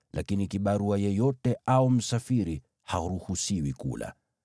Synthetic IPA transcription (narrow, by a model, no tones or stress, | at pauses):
lʔakinikiɓaɾuajɛjɔtɛaum̩safiɾi | haɾuhusiwikṵla̰